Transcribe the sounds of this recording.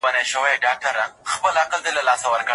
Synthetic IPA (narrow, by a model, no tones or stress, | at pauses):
aneʃəwajɖɑk̚ʈaɾaxpəlaqəld̪alalɑsawəɾkə